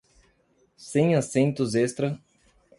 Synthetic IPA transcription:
sẽj̃asẽnt̪ʊzest̪ɾɐ

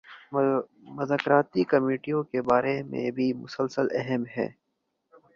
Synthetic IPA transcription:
mʊzaːkɾaːt̪ikɐmeːʈijõkebaːɾemḛ̃bʱimʊsəlsəlɛɦɛmɦɛ̰ː

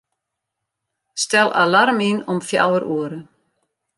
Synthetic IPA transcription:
st̪ɛla̰laɾminɔmfja̰ːwəɾuəɾʏ

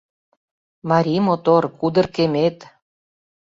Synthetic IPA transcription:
mɑɾʲimot̪orkud̪ə̆rkemet̪

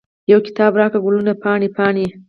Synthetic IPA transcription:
jawkɪ̥t̪ɑːbɾɑkaɡʊlunapɑɳipɑɳi

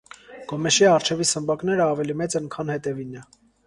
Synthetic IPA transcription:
ɡ̥ɔmɛʃiɑɾt͡ʃʰɛvisəmbɑknɛɾəɑvɛlimɛt͡səŋkʰɑnhɛt̪ɛvinɛ

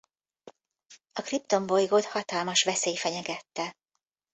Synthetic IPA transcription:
ɒkrip̚t̪o̞mbo̞jɡot̪hɒt̪ɒlmɒʃʋɛseːjfɛɲɛɡɛt̪ːɛ

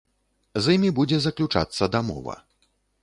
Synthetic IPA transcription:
zimʲibud͡zʲɛzɐklʲut͡ʂa̰t̪sːɐd̪amɔ̰vɐ̰

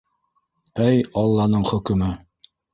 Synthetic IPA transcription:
æjɑlˠːɑnɤɴχɵ̆kɘ̆mɘ

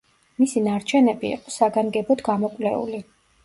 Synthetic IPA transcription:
misinaɾt͡ʃʰɛnɛbiḭqʼɔsaɡaŋɡɛbɔd̪ɡamɔkʼlɛṵli

